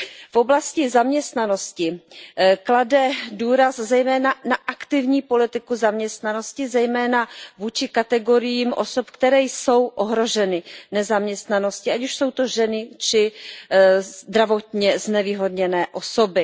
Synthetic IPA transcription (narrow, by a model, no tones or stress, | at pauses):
fo̞blascɪzamɲɛst̪nano̞scɪ | kladɛduːɾaszɛjmɛːnanaʔakt̪ɪvɲiːpo̞lɪt̪ɪkuzamɲɛst̪nano̞scɪzɛjmɛːnavuːt͡ʃɪkat̪ɛɡo̞ɾɪjiːmʔoso̞pkt̪ɛɾɛːjso̞wʔoɦɾo̞ʒɛnɪnɛzamɲɛst̪nano̞scɪʔacuʃso̞wt̪o̞ʒɛnɪt͡ʃɪ | d̪ɾavo̞t̪ɲɛznɛviːɦo̞dɲɛnɛːʔo̞sobɪ